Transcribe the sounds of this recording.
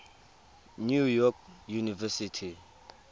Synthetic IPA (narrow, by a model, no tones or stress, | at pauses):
njujɔk̚junivɛsitʰi